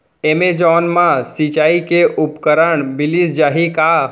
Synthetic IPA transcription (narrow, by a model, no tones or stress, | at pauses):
emed͡ʒɔːnmãsit͡ʃaːikeʔʊpkəɾəɳbɪlisd͡ʒaːɦika